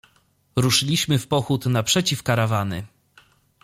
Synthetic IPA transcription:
ɾuʂɘlʲiɕmɘfpɔxut̪napʂɛt͡ɕifkaɾavanɘ̰

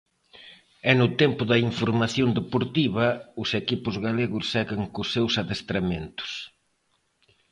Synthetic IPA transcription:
ɛnʊt̪ɛmpʊðɐiɱfoɾmaθjond̪epoɾt̪iβɐʊsekipʊzɣaleɣʊsːɛɣɪŋkʊsːewsaðest̪ɾament̪ʊ̥s

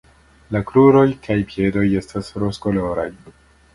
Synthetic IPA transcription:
lakɾuɾo̞jkʰajpje̞do̞je̞stasɾoskolo̞ɾa̰j

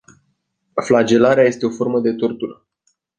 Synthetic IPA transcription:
flad͡ʒe̞laɾeaje̞st̪e̞o̞fo̞rməd̪e̞t̪ort̪ur

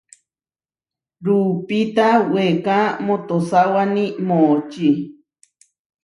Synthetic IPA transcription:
ɾupit̪awekamõt̪osawanĩmot͡ʃi

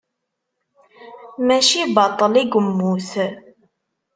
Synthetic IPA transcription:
mæʃibɑt̪ˤːəliɡəmːuθ

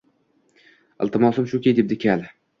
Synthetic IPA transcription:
ɪ̰lˠt̪ɪmɒsɪmʃʊkʲejd̪ep̚d̪ɪkʲʰal

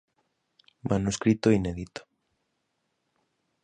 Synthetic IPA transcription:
mʔanuskɾit̪oineðit̪o̥

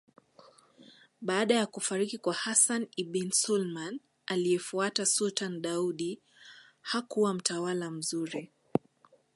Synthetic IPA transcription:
ɓaːɗajakufaɾikikwahasaniɓinsulman | aliɛfuatasultanɗauɗi | hakuwam̩tawalam̩zuɾi

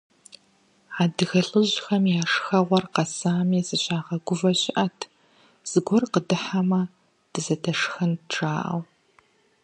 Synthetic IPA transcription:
aːdɨxɐɬʼɨʑxɐmjaːʂxɐʁʷɔrqɐsaːmiːzɨɕaːʁɐɡʷʊvɐɕɪʔɐtʰ | z̥ɨɡʷɔrqədɨħamɐ | d̥ɨzɐdʰɐʂxɐnʈ͡ʂʰʼaːʔɐ̰w

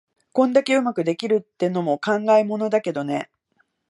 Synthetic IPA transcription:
kõ̞nd̪ake̞ɯ̟makɯ̟d̪e̞kʲiɾɯ̟t̪ːe̞no̞mo̞kãŋɡaimo̞no̞d̪ake̞d̪o̞ne̞

